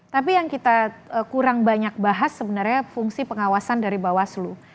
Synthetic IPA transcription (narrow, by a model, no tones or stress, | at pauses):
t̪apijaŋkit̪aəkuɾaŋbaɲak̚baɦasːəbənarɲafuŋsipəŋawasandaɾibawaslu